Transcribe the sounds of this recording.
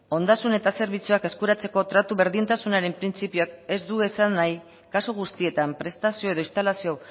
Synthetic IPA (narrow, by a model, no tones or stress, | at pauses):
o̞nd̪asune̞t̪ase̞ɾβit͡suake̞skuɾat͡se̞ko̞t̪ɾat̪uβe̞ɾðint̪asunaɾe̞mpɾint͡sipioak̚e̞zd̪ue̞sanːaj | kasuɣ̞ust̪ie̞t̪ampɾe̞st̪asio̞e̞ð̞o̞ist̪alasio